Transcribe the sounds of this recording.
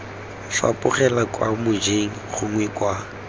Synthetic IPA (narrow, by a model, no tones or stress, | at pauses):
fa̰pʼʊχɛlakʼwa̰mʊd͡ʒeŋ̩χʊŋwɛkʼwa